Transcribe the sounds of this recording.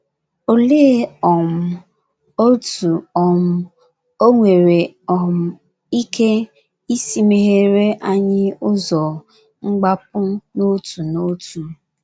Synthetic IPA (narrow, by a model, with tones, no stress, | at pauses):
o˨leː˦ɔ˨m̩˦ | o˦tu˨ɔ˨m̩˦ | o˦ŋʷe˨ɾe˨ | ɔ˨m̩˦ | i˦ke˦ | i˦si˦me˨ɦe˦ɾe˦ʔa˦ɲɪ˦ʊ˦zɔ˨ | ŋ͡m̩˦ɡ͡ba˦p̚ʊ˦no˦tu˨no˦tu˨